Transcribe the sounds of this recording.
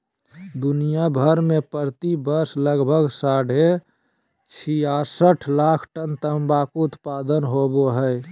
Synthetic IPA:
d̪unijabʱəɾmẽpəɾt̪ibəɾsləɡbʱəɡsaɽ̤e | t͡ʃʰijasəʈʰlakʰʈənt̪əmbakoʊt̪pad̪ənɦoboɦəj

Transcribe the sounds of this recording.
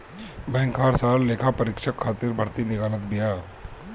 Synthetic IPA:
bɛ̃ːŋkʰaːɾsaːɾleːkʰapɐɾɪkʃəkʰːaːt̪ɪɾbʱɐɾt̪inɪɡaːnət̪bɪjaː

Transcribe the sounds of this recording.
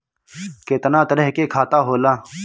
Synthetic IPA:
keːt̪ɐnãːt̪ɐɾeɦkeːkʰaːt̪aːɦoːlaː

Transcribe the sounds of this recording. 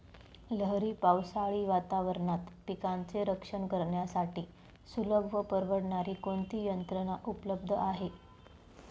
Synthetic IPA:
ləɦɾiːpawsaɭiːʋat̪aʋəɾɳat̪pikant͡seɾəkʂəɳkəɾɳjasaʈiː | suləbʱʋəpəɾʋəɽɳaɾiːkoɳt̪iːjənt̪ɾənaʔupləb̚d̪ʱəaɦe

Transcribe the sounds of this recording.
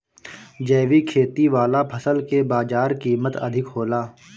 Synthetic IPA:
d͡ʒɛːʋikʰeːt̪iʋaːlapʰəsəlkebaːd͡ʒaːɾkiːmət̪ɐ̰d̪ʱɪkɦoːlaː

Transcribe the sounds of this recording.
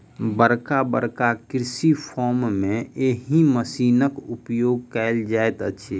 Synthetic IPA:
bəɾkabə̰ɾkakɾsipʰɔːɾmːẽeɦiməsiːnəkʊpjoːɡ̚kɛld͡ʒaet̪əʃʰe

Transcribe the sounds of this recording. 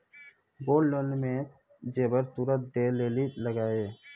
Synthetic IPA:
boːlːonmẽ | d͡ʒeːbəɾt̪uɾət̪̚d̪eleːliləɡaːeː

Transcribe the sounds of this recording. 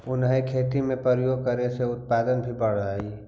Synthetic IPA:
ʊnɦaikʰeːt̪imẽpəɾjoːɡ̚kəɾeseʊt̪̚paːd̪ənbʱibəɽ̤ai

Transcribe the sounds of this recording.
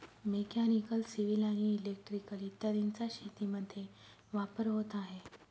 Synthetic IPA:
mekanikəlsiʋilaɽ̃iːlek̚ʈɾikəlit̪ːəɾint͡saɕet̪iməd̪ʱːje | ʋapəɾɦot̪aɦe

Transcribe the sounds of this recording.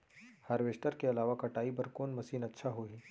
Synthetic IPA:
hɐɾʋeʃʈəɾkeɐlaːʋakɐʈaːibɐɾkoːnmɐsiːnɐtːʃʰaɦoiː

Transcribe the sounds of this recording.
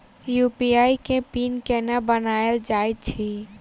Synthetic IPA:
jupiaikẽpinkɛnabənaeld͡ʒajt̪̚t͡ʃʰi

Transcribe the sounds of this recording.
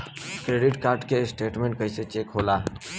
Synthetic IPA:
kɾeːɖɪʈkaːɾʈkesʈeːʈmẽɳʈkɐiset͡ʃeːkɦoːlaɦ

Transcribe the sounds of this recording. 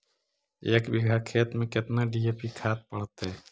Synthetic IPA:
eːkbɪɡʱaːkʰeːt̪mẽkɪt̪naɖieːpikʰaːt̪̚pəɽ̤ət̪ɦɛː

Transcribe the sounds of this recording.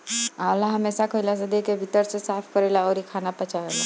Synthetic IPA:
alaɦəmesakʰojlas̬ed̪ekebʱit̪əɾsesapʰkəɾɛlaɔɾikʰanapət͡ʃaɦela

